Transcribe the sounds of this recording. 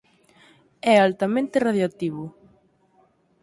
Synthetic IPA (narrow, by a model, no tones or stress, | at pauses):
ɛalt̪amẽnt̪ɪraðjoak̚t̪iβʊ